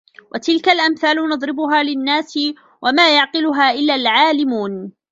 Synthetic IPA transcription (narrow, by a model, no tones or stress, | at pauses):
wʔat̪ɪlkalʔamθaːlʊnɑd̪ˤɾɪbʊɦaːlɪnːaːsɪ | wamaːjɑʕqɪlʊɦaːʔɪlːalʕaːlɪmuːn